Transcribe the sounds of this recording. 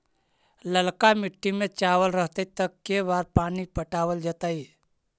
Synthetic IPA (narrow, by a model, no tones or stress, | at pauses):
ləlkamɪʈːimẽt͡ʃaːʋəlɾəɦt̪et̪əkːebaːɾpaːnipəʈaːʋəld͡ʒət̪aːi